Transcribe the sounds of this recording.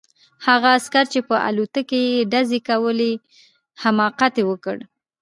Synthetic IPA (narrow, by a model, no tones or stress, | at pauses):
haɣaːskaɾt͡ʃepəʔa̰lut̪akejeɖazekawəle | hamɑqat̪ewəkə̰ɽ